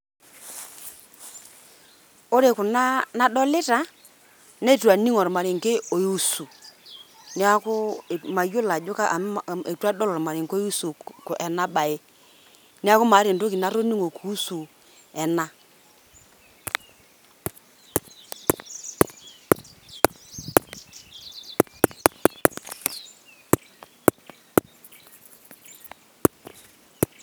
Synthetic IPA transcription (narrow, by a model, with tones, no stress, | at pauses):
o˦ɾe˨kʊ˨na˦na˦ɗɔ˦lɪ˦ta˨˦ | ne˦˨tu˨a˨ni˦ŋɔ˨ɾma˨ɾɪ˨ŋ˨ke˦o˨ju˦su˨ | nɪ˦a˦kʊ˦˨ma˨jo˦la˨d͡ʒo˦ka˦ʔe˨twa˦dɔ˦lɔ˨ɾma˨ɾɪ˨ŋko˦ju˦su˨kʔɛ˨na˦ɓa˨e˦ | nɪ˦a˦kʊ˦ma˨˦ɾɪ˨ndo˦ki˨na˦ɾo˦ni˦ŋo˨kʰu˨˦su˨ | ɛ˨na˦